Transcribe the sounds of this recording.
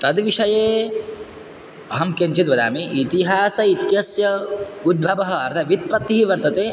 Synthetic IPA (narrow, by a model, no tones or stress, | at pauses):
t̪ɐd̪ʋiʂɐjeː | ɐɦɐmkent͡ʃit̪ʋɐd̪a̰ːmiʔit̪iɦaːsɐit̪jɐsjɐud̪̚bʱɐʋɐɦɐ̆ɐɾt̪ʰɐʋit̪̚pɾɐt̪ːiɦiʋɐɾt̪ɐt̪eː